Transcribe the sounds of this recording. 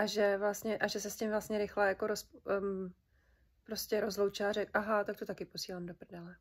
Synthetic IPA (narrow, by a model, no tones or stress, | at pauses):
ʔaʒɛvlast̪ɲɛʔaʒɛsɛscɪmvlast̪ɲɛɾɪxlɛjakoɾosp | pɾo̞scɛɾo̞zlowt͡ʃaːɾɛkʔaɦat̪akt̪ot̪akɪpo̞siːlaːmdopr̩dɛlɛ